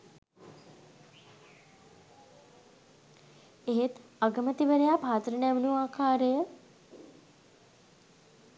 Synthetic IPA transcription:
eɦet̪aɡəmət̪iʋəɾejaːpaːt̪ɾənæmnuaːkʰaːɾəjə

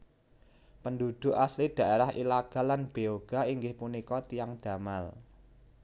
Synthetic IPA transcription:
pənd̪ud̪̥ʊ̤ʔaslid̪̥ä̤ʔeɾahḭlaɡ̥a̤lanb̥eoɡ̥a̤iŋɡɪhpunikɔt̪ijaŋd̪̥ä̤mal

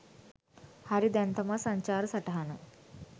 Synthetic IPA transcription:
hɐɾid̪ent̪ɐmɐsɐɲt͡ʃaːɾɐsɐʈɐɦɐnɐ

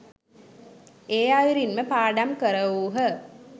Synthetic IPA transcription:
eːaʋiɾinməpaːɖamkəɾəʋuːɦə

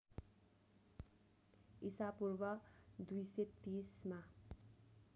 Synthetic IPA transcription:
isapurbʌd̪ujset̪isma

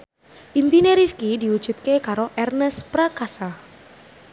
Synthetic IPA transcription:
ʔimpineɾifkidiwu̥ʒ̥ṳt̪̚kekaɾoʔɛrnəspɾakasa

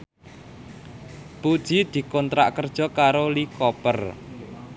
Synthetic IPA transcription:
pud̥ʒ̥i̤d̪̥i̤kɔnt̪ɾa̰ʔkərd̥ʒ̥ɔ̤kaɾolikɔpər

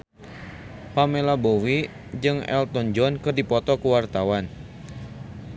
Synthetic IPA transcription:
pamelabowi | d͡ʒɨŋɛ̰lt̪ɔnd͡ʒɔnkɨrdipɔt̪ɔkuwart̪awan

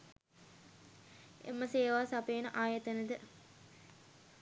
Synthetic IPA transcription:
ḛmːəseːʋaːsɐpeːnəʔaːjet̪ənəd̪ə

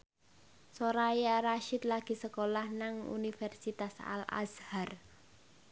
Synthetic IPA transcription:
soɾajaɾaʃit̪̚laɡ̥i̤səkolahnaŋṵnifɛrsit̪asa̰la̰shar

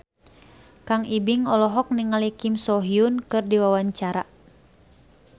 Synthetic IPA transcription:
kaŋibiŋɔlɔɦɔk̚niŋalikimsɔɦiunkɨrdiwawaɲt͡ʃaɾa̰

